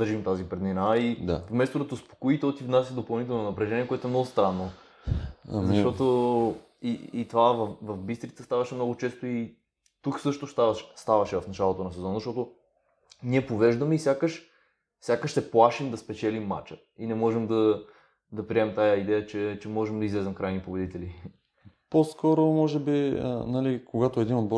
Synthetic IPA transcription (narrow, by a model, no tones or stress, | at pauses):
d̪əɾʒimt̪azipɾɛd̪minaid̪a̰fmɛst̪od̪ɐt̪ospo̥koit̪ɛlt̪ivnasʲəd̪opɐlˠnit̪ɛlˠnonɐpɾɛʒɛniɛkoʊɛt̪oɛmnɔɡʊst̪ɾanːo̰ | zɐʃt̪ɔt̪o | iit̪ovavɐfvɐfbist̪ɾit̪səst̪avɐʃɛmnɔɡʊt͡ʃɛst̪oi | t̪uksɤʃt̪oʃt̪avɐʃɛ̥st̪avɐʃɛvɐfnɐt͡ʃalˠot̪onɐsɛzɔnɐzɐʃt̪ɔt̪o | niɛpovɛʒd̪əmɛisʲjakəʃ | sʲjakəʃsɛplˠaʃimd̪ɐspɛt͡ʃɛlimːa̰t͡ʃə | inɛmɔʒɛmd̪ɐ | d̪ɐpɾiɛmt̪ajɐid̪ɛjət͡ʃɛt͡ʃɛmɔʒɛmd̪ɐizlɛzɛmkɾajnipobɛd̪it̪ɛli | poskɔɾomɔʒɛbiə̰nɐlikoɡat̪oɛd̪inob